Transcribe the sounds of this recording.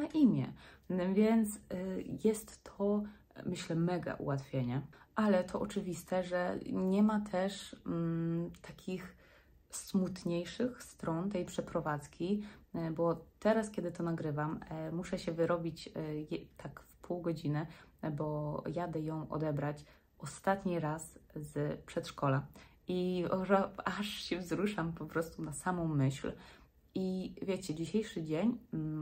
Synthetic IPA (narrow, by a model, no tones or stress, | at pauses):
aʔimʲjɛ̰vʲjɛnt̪sjɛst̪ːɔ | mɘɕlɛmɛɡa̰ʔṵwat̪fʲjeɲaʔalɛt̪ʰɔʔɔt͡ʂɘvʲist̪ɛʐɛɲɛmat̪ʰɛʂ | t̪ʰakʲix | smut̪ɲejʂɘxst̪ɾɔnt̪ɛjpʂɛpɾɔvat̪skʲibɔt̪ɛɾaskʲɛd̪ɘt̪ɔnaɡɾɘvammuʂɛɕɛvɘɾɔbʲit͡ɕjt̪ʰakfpʰuwɡɔd͡ʑinɛbɔjad̪ɛjɔ̃w̃ʔɔ̰d̪ɛbɾat͡ɕ | ʔɔst̪at̪ɲiɾaszpʂɛt̪ʂkɔlaʔiɔʐaaʂɕɛvzɾuʂampɔpɾɔst̪unasamɔ̃w̃mɘɕl | ivʲjɛt͡ɕɛd͡ʑiɕejʂɘd͡ʑeɲ